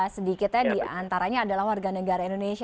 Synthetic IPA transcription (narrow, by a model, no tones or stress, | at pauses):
sədikɪt̪̚ɲadiant̪aɾaɲaːdalahwarɡanəɡaɾaindonesi